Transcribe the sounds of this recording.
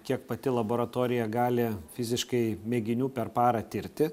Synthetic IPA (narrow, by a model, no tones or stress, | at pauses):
kʲiɛk̚pɐt̪ʲɪlˠɐboːɾɐt̪oːɾʲɪjɛɡɑːlʲɪfʲɪzʲɪʃkɐɪmʲeːɡʲɪnʲuːpʲɛrpɑːɾɐt̪ʲɪɾʲt̪ʲɪ